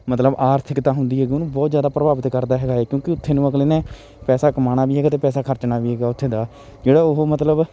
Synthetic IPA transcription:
mət̪ləbaːɾt̪ʰɪkt̪ãːɦʊnd̪iːɦɛːɡiːonũːbɔːt̪zjaːd̪aːpɾəbaːʋət̪kəɾd̪aːɦɛːɡaːɦɛːkjõːkɪʊt̪ʰːeːnũːəɡleːnɛ̃ː | pɛːsaːkəmaːnaːʋiːɦɛːɡaːt̪eːpɛːsaːkʰəɾt͡ʃnaːʋiːɦɛːɡaːʊt̪ʰːeːd̪aː | d͡ʒeːɽaːoɦomət̪ləb

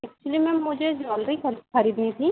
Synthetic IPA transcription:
ɛk̚t͡ʃulimɛ̃mʊd͡ʒʱed͡ʒaːlɾikʰɐɾxɐɾiːd̪nit̪ʰi

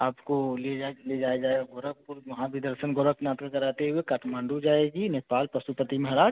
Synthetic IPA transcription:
aːpkoled͡ʒaled͡ʒaːjad͡ʒaːeɡaɡoɾəkʊɾʋɐɦãbʱid̪əɾʃənɡʱoɾəknaːt̪ɾəkɐɾaːt̪eɦʊekaʈʰmãːɳɖud͡ʒaːeːɡineːpaːlpɐsupət̪imẽɦɐɾaː

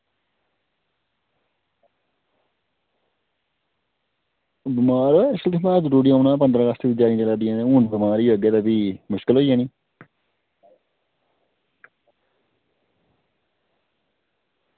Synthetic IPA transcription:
bɪmaːɾoʃəld̪ɪmãːzəɾuːɖijːnãːp̬ənd̪ɾãːaːsʈ̪iːbid͡ʒaːĩːd͡ʒeːlaːd̪ɪjãːnẽːuːnbɪmaːɾiːʋəɡeːd̪aːbiːmʊʃkəlɦoːiːjãːnĩː

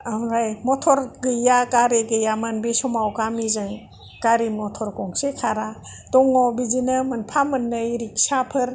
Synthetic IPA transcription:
amɾajmɔtʰɔɾɡɯjakaɾeɡɯjamanbesɔmawkamizɯŋ | kaɾimɔtʰɔɾkɔŋsekʰaɾadɔŋɔbizinɯmɯnpʰamɯnːɯjɾik̚sapʰɯɾ

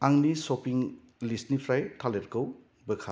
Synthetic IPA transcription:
aŋnisɔpiŋ | lisnipʰɾajtʰaleɾkɯw | bɯkʰa̰

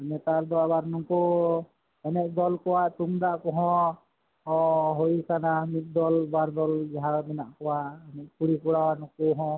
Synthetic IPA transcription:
nɛt̪aɾd̪ɔabaɾnɔkɔ | ɛnɛk̚ˀd̪ɔlkɔwaʔt̪uŋd̪aʔkɔɦɔ̃ | ɦojkanamit̪̚ˀd̪ɔlbaɾd̪ɔld͡ʒɛɦabɛnaʔkɔwaʔɛnɛk̚puɽikuɽawanɔ̃kuɦɔ̃

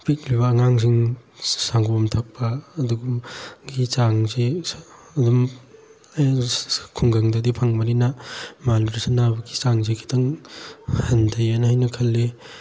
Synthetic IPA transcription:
pik̚liβɐːŋaŋs̬iŋsaŋɡomtʰɐk̚pɐːduɡumɡit͡ʃaŋze | dum | kʰuŋɡɐŋdɐdipʰɐŋbɐɾinɐmaluɾisanabɐɡi̥t͡ʃaŋzekʰi̥tɐŋ | hɐndʰɐjanɐhajnɐkʰɐlːe

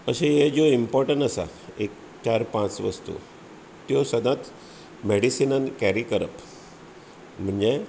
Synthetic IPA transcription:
əɕejed͡ʑoimpɔɾʈəɳʈəsa̰ek | t͡ɕaɾpãt͡sʋəst̪ṵ | t̪josəd̪ʱãt̪ | meɽisinənkæɾikəɾəp | m̤əɳd͡ʑe

